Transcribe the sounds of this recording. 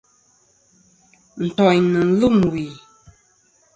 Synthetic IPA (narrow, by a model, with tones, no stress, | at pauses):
n̩˨tɔ˨ɲnɨ˨n̩˦lu˦˨mwi˨